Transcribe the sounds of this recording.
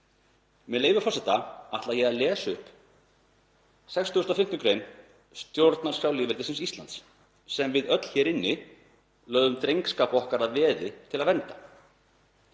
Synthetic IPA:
mɛðleːjvʏɾfɔsɛht̪aaht̪lajɛɣaðlɛːsʏhp | sɛkst̪uɣːst̪ɔfɪm̥t̪ʏkɾejn | st̪jowɾt̪naɾ̥sawlɪːvɪɾt̪ɪsɪnsist̪lant̪sː | ɛmvɪðœt̪l̥çɛɾɪnːɪ | lœːðʏmt̪ɾejŋkskaːpɔhkaɾaðvɛːðɪt̪ʰɪlaðvɛnt̪ḁ

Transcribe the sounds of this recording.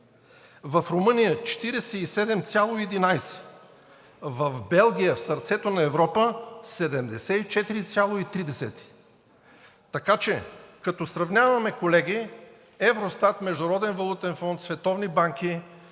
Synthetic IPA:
vɐfɾomɤnijət͡ʃɛ̥t̪iɾɛsɛisɛd̪ɛmt̪sʲjalˠoiɛd̪inajsɛ̥ | vɐvbɛlˠɡʲijəfsɐɾt̪sɛt̪onɐɛvɾɔpəsɛd̪ɛmd̪ɛsɛit͡ʃɛt̪iɾit̪sʲjalˠoit̪ɾid̪ɛsɛ̰t̪i̥ | t̪ɐkat͡ʃɛkɐt̪ɔsɾɐvnʲavɐmɛkolɛɡi | ɛvɾost̪at̪mɛʒd̪ʊɾɔd̪ɛnvɐlˠut̪ɛnfɔnt̪svɛt̪ɔvnibaŋki

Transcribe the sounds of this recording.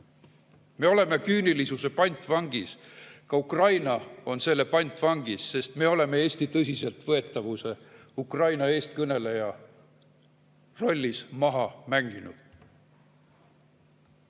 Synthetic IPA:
me̞o̞le̞me̞kyːnilisuse̞pɑjnʲt̪ˑvɑŋɡ̥iskɑukrɑjnɑo̞nse̞lːe̞pɑjnʲt̪ˑvɑŋɡ̥isːe̞st̪me̞o̞le̞me̞e̞ːsʲt̪it̪ɤsʲise̞lt̪vɤe̞t̪ːˑɑvuse̞ | ukrɑjnɑe̞ːst̪̚kɤne̞le̞jɑ | ro̞lʲːismɑɦɑmæŋɡ̥inud̪̥

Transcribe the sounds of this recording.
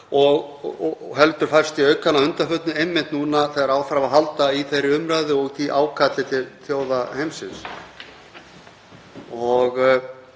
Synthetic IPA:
ɔɣ | ɦɛlt̪ʏɾ̥fajɾ̥st̪iœɥkanːaʏnt̪afʏt̪nʏejmːɪnt̪nuːnaθɛðaɾaːwfɾavaɦalt̪aiθejɾːɪʏmɾaðʏɔɣt̪ʰiʔaːwkʰat̪lɪt̪ʰɪlθjoːwðahejmsɪns | ɔɣ

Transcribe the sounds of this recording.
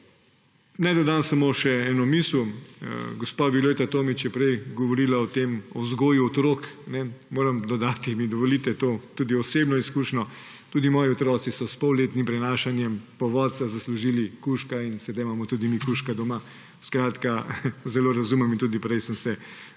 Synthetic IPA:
nɛjd̪ɔd̪ansamoʃɛɛnɔmislṵ | ɡɔspabiloːt̪at̪oːmit͡ʃjɛpɾɛjɡɔʋɔɾiːlaɔt̪emɔzɡoːjuɔt̪ɾoknɛmoːɾɐmd̪ɔd̪aːt̪imid̪ɔʋolit̪ɛt̪ot̪uːd̪iɔseːbnɔiskuʃnɔ | t̪uːd̪imɔːjiɔt̪ɾɔːt̪sisɔspɔwleːt̪nimpɾɛnaːʃanjɛmpɔʋɔːt̪sazasluʒiːlikuʃkainsɛd̪ajmaːmɔt̪uːd̪imikuʃkad̪ɔma | skɾaːt̪kazɛloːɾazumɛmint̪uːd̪ipɾɛjsəmsɛ

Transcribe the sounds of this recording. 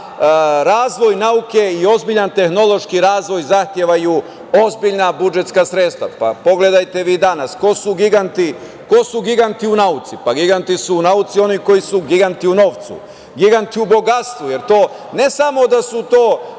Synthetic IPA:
ɾaːzʋo̞jnauke̞io̞zbiʎant̪e̞xno̞lˠo̞ʃkiɾaːzʋo̞jzaxt̪jeʋaju | ozbiʎnabud͡ʒe̞t̪skasɾet̪st̪ʋapapo̞ɡle̞d̪ajt̪e̞ʋiːd̪anasko̞suɡiɡant̪i | kosuɡiɡant̪iunaut̪sipaɡiɡant̪isuːnaut̪sio̞niko̞jisuɡiɡant̪iuno̞ːʋt̪sṵ | ɡiɡant̪iubo̞ɡat̪st̪ʋuje̞ɾt̪o̞ː | ne̞samo̞d̪asut̪oː

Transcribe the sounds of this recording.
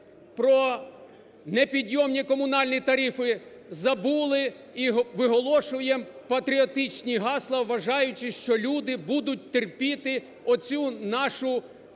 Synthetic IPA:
pɾɔ | nepʲid̪ʲjɔmnʲikɔmʊnɑlʲnʲit̪ɐɾifɪ | zɐbulˠɪ | iɦʋɪɦɔlˠɔʃʊjɛpɐt̪ɾʲiɔt̪ɪt͡ʃnʲiɦɑslˠɐwʋɐʒɑjʊt͡ʃɪʃt͡ʃɔlʲud̪ɪbud̪ʊt̚ʲt̪erpʲit̪ɪ | ɔt͡sʲunɑʃʊ

